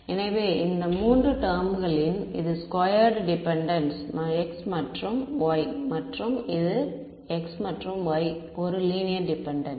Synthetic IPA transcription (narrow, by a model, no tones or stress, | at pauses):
ɛnɐʋeːɪnd̪ɐmuːndrɯʈɐɾmɣɐɭɪʊnɪðɯskoːjɐɾɖɖɪpɛɳɖɐnsnãːɛksmɐʈrɯmʋoːjmɐʈrɯmɪðɯ | ɛksmɐʈrɯmʋoːj | ɔɾɯliːnɪjɐɾɖɪpɛɳɖɐn